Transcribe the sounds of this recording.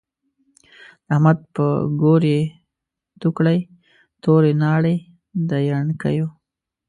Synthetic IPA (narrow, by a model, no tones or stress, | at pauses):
d̪̥əahmad̪̚pə̰ɡoɾe | t̪ukɽaj | t̪oɾenɑɽe | d̪ajaɳka̰jo